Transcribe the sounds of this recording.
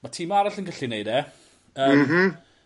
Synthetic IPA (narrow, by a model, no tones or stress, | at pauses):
matʰiːmaɾaɬənɡəɬinejdɛ | əːmmm̩